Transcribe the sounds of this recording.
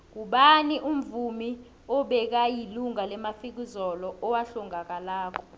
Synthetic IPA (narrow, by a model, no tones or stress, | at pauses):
k̬uɓaniʔum̩vumi | ɔɓɛk̬ajiluŋalɛmafik̬izɔlɔɔwaɬɔŋak̬ʼalaːkʰɔ̥